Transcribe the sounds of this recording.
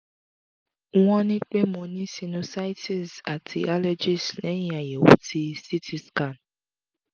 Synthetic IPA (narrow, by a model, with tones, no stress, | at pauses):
ɔ̃˦nĩ˦k͡pe˦mo˨nĩ˦si˨nũ˦sa˦jtʰi˨sa˨tʰḭ˨a˦lɔ˦d͡ʒi˨snɛ˨˦ja˨je˨wṵ˦ti˦si˦tʰi˦ska˨n